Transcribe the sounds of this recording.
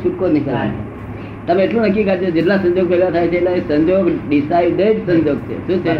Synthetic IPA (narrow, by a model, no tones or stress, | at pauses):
ʃʰuʈkoniʃaɾa̰ḛ | t̪əmeːʈlũnəkːikat͡ʃʰod͡ʒeʈ̬lasə̃ɲd͡ʒoɡ̚seɡat̪ʰajt͡ʃʰeeʈlaesə̃ɲd͡ʒoɡɖisaid̪əd͡ʒsəɲd͡ʒoɡ̚t͡ʃʰḛʃũt͡ʃʰe